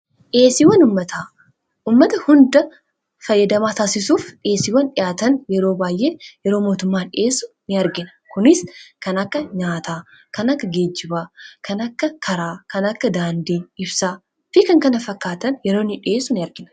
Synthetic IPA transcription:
ᶑe̞ːsɪwɐnʊmːɐt̪aː | ʔuːmːɐt̪ɐhʊnd̪ɐ | fɐjːɐd̪ɐmaːt̪aːsɪsuːfᶑe̞ːsɪwɐnᶑɪjaːt̪ɐnjɛɾo̞ːbaːjʔe̞ːjɛɾo̞ːmo̞ːt̪ʊmːaːnᶑɪʔe̞ːsʊnɪɐɾɡɪnɐ̥kʊnɪskɐnɐkːɐɲaːt̪aː | kɐnɐkːɐɡeːd͡ʒːɪbaːkɐnɐkːɐkʰɐɾaːkɐnɐkːɐd̪aːnd̪iːɪbsaː | fɪkɐŋkɐnɐfɐkːaːt̪ɐnjɛɾo̞ːnɪᶑɪe̞ːsːʊnɪɐɾɡɪnɐ

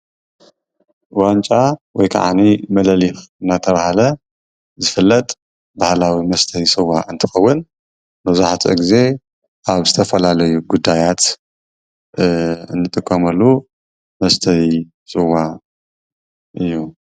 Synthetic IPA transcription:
want͡ʃʼawɔjkʰa̰ʕa̰nimɐlɐlixɨnːat̪ʰɐβahalɐ | zɨfɨlːɐt̪ʼ | bahlawimɐst̪ʰɐhisʼɨwaʔɨnt̪ʰɨxɐwːɨn | mɐzuħat͡sʼɐ̰ɡize̞ | ʔaβzɨt̪ʰɐfɐlalɐjuɡud̪ːajat̪ | ɨ̰nːɨt̪ʼɨkʼːɐmɐlːu | mɐst̪ʰɐi | sʼɨwa | ʔɨjːu

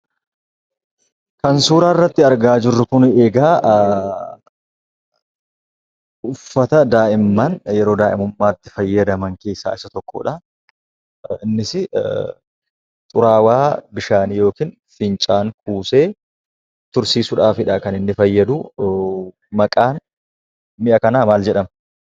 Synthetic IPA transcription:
kɐnsuːɾaːɪrːɐt̪ːɪɐɾɡaːd͡ʒɪrːʊkʊneːɡaː | ʊfːɐt̪ɐd̪aːʔɪmːanjɛɾoːd̪aːʔɪ̰mʊmːaːt̪ːɪ̥fɐjːɐd̪ɐmɐŋke̞ːsːa̰ːɪsɐt̪ɔkːo̰ːᶑɐ | ɪnːɪsɪ | t̪ʼʊɾaːwaːbɪʃaːnijo̞ːkiːn | fɪnt͡ʃʼaːŋkuːseː | t̪ʊɾsiːsʊᶑaːfɪᶑakɐnɪnːɪfɐjːɐd̪u | mɐkʼaːn | mɪʔɐkɐnaːmaːld͡ʒɛᶑɐm

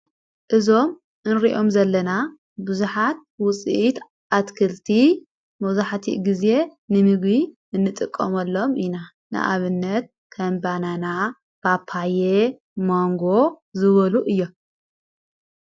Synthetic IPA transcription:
ʔɨzo̞m | ʔɨnɾiʔo̞mzɐlːɐna | bɨzuħat̪̚wʊt͡sʼḭʔit̪ | ʔat̪kʰɨlt̪ʰi | mɐzuħat̪ʰḭʔɡize̞nɨmɨɡβi | ɨnːɨt̪ʼɨkʼːɐmɐlːo̞mʔina | nɨ̰ʔa̰βɨnːɐt̪̚ | kʰɐmbanana | b̥apʰːaje | moŋɡo̞zɨβɐluʔɨjːo

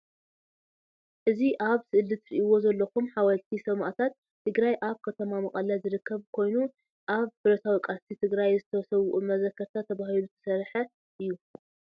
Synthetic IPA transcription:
ʔɨziʔaβsɨʔɨlːɨt̪ʰɾiʔiwo̞zɐlːɐkumħawɐlt̪ʰisɐma̰ʔt̪ʰat̪ʰːɨɡɾajʔaβkʰɐt̪ʰɐmamɐkʼɐlazɨɾɨkːɐβkʰo̞jnu | ʔaβfɨɾɐt̪ʰawikʼast̪ʰit̪ʰɨɡɾajzɨt̪ʰɐsɐwʊʔumɐzɐkʰːɐɾt̪ʰat̪ʰːɐβahilut̪ʰɐ̥sɐɾħɐ | ʔɨjːu

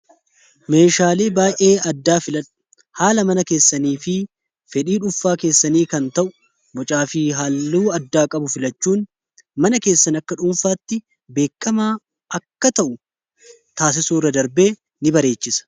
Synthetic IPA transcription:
me̞ːʃaːle̞ːbaːjʔe̞ːɐd̪ːaːfɪlɐᶑ | haːlɐmɐnɐke̞ːsːɐniːfɪ | fɛᶑiːᶑʊfːaːke̞ːsːɐniːkɐnt̪ɐʔʊ̥ | bɔt͡ʃʼaːfɪɦalːuːɐd̪ːaːkʼɐbʊfɪlɐt͡ʃːuːn | mɐnɐke̞ːsːɐnɐkːɐᶑʊɱfaːt̪ːɪ | be̞ːkːɐmaː | ɐkːɐt̪ɐʔʊ | t̪aːs̬ɪsuːrːɐd̪ɐɾbe̞ː | nɪbɐɾe̞ːt͡ʃːɪsɐ̥

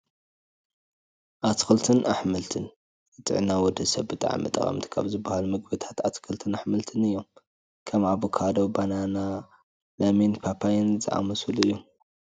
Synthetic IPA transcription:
ʔat̪kʰɨlt̪ʰɨnʔaħmɨlt̪ʰɨn | ɨt̪ʼɨ̰ʕnawɔd̪ɐsɐβbɨt̪ʼa̰ʕa̰mɨt̪ʼɐ̰χʼɐ̰mt̪ʰi̥kʰa̰βzɨbːahalumɨɡbɨt̪ʰḁt̪at̪kʰɨlt̪ʰɨnaħmɨlt̪ʰɨnɨjːom | kʰɐmʕaβukʰad̪obanana | lɐminpʰapʰajɪnzɨ̰ʔa̰mɐsuluɨjːom

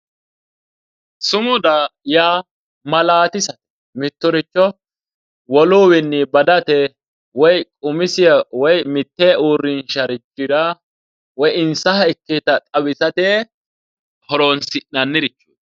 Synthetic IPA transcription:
sʊmʊd̪ajaː | mɐlaːt̪ɪsɐt̪ɛ̥ | mɪt̪ːʊɾɪt͡ʃːɔ | wɔluːwɪnːɪbɐd̪ɐt̪ɛ | wɔjkʼʊmɪsɪjɐwɔjmɪt̪ːɛuːɾːɪnʃɐɾɪt͡ʃːɪdɐ | wɔjɪnsɐɦɐɪkːet̪ɐt̪ʼɐwɪsɐt̪eː | hɔɾoːnsɪnɐnːɪɾɪt͡ʃːuː

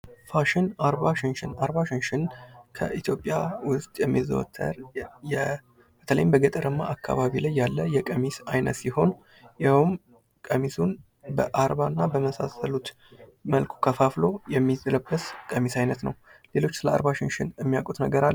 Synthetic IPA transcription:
faʃɪnaɾβaʃɪnʃɪnaɾβaʃɪnʃɪnkʰə̰ʔit̪ʰjo̞pʼjawʊst̪ʼjɛmːizə̰wɔ̰t̪ʰːə̰ɾɛ | b̥ət̪ʰələ̰jɪmbəɡət̪ʼəɾɨmːaʔakːa̰βaβilajːalːəjːɛkʼəmisajnət̪siho̞n | jawm | kʼəmisun | bəʔaɾβanːabəməsa̰səlut̪ | məlkʰu̥kʰəfaflo̞jɛmːizələbːəskʼəmisajnət̪nə̰wle̞lo̞t͡ʃːsɨləa̰ɾβaʃɪnʃɪnɨmːijakʼut̪nəɡəɾalː

